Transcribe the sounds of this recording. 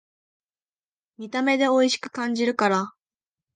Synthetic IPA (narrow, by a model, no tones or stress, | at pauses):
mʲit̪ame̞d̪e̞o̞iɕi̥kɯ̟̥kãɲ̟d͡ʑiɾɯ̟kaɾa